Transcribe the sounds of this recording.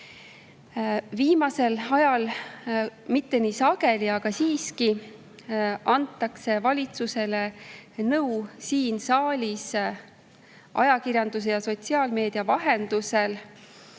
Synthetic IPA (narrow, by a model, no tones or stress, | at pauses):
viːmɑse̞lɑjɑl | mit̪ːe̞nisɑɡe̞liɑɡ̥ɑsiːski | ʔɑnt̪ˑːɑkse̞vɑlʲit̪suse̞le̞nɤwsiːnsɑːlʲis | ʔɑ̰jɑkirjɑnd̪us̬e̞jɑso̞t̪ʲsiɑːlme̞ːd̪̥iɑvɑɦe̞nd̪̥use̞l